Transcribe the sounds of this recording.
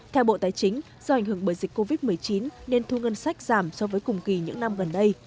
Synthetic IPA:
t̪ʰɛ˧wɓo̰˧˨t̪aː˨˦jt͡ɕï˨˦ŋ̟ | zɔː˧ʔa˧˩jŋ̟ɦɨ˧˩əŋɓəː˧˩jzi˨˩k̟ko˧vi˦˥t̚mɨ˨˩əjt͡ɕi˨˦nne˧nt̪ʰu˧ŋə˧nsa˦˥jk̟̚zaː˧˩msɔ˨˧˦vəː˨˦jkʊ˨˩ŋ͡mki˨˩ɲɨ̰˧˥ŋna˧mɣə˨˩nɗə˧j

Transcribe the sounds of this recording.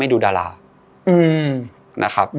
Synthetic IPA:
a˥˩jduː˧daː˧la̰ː˧ | ʔɯː˧˩ | nʔa̰˦˥kʰa˦˥p̚

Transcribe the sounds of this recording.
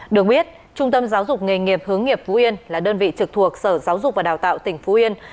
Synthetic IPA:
ɗɨ˨˩ək̚ɓi˦˥ət̚ | t͡ɕʊ˧ŋ͡mt̪ə˧mzaː˨˦wzʊ˨˩k͡p̚ŋi˨˩ŋi˨˩əp̚hɨ˨˦əŋːi˨˩əp̚fo˨˦ʔi˧ənlaː˨˩ɗəː˧nvḭ˧˨t͡ɕɨ˨˩k̚t̪ʰu˨˩ək̚səː˧˩zaː˨˦wzʊ˨˩k͡p̚va˨˩ɗaː˨˩wt̪a̰ː˧˨wt̪ï˧˩ŋ̟fo˨˦ʔi˧ən

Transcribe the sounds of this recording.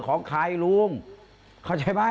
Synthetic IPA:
kʰɔː˨˦ŋkʰaː˧˩jluː˧əm | kʰa˧˥˩wt͡ɕʰa˧˩jbaː˥˩

